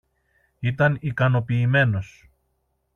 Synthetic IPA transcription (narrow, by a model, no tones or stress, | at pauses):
it̪ɐnikɐno̞piːme̞no̞s